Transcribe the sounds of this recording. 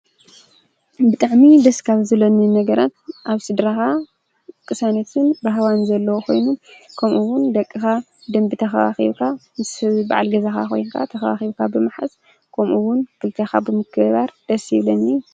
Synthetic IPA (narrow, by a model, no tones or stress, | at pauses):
bɨt̪ʼaʕmid̪ɐskʰaβzɨlɐnɨnɐɡɐɾat̪̚ʔaβsɨd̪ɾaxa | kʼɨsanɐt̪ʰɨnbɨɦawanzɐlːɐwokʰo̞̰jnukʰɐmʔuwʊnd̪ɐkʼːɨxa | d̪ɐmbɨt̪ʰɐxɐwa̰xḭβkʰamɨsba̰ʕalɡɐzaxa̰xʰo̰jnkʰa̰t̪ʰɐxɐwa̰xiβkʰabɨmɨħa̰s | kʰɐmʔuwʊnkʰɨlt̪ʰɐxabɨmɨkʰɨβaɾd̪̥ɐsjɪβlɐni